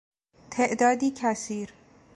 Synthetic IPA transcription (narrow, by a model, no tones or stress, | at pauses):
t̪ʰe̞ʔd̪ɒːd̪iːcʰæsiːɾ